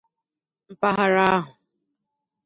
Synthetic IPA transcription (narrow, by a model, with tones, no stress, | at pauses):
m̩˨pa˦ɦa˨ɾa˦ɦʊ˨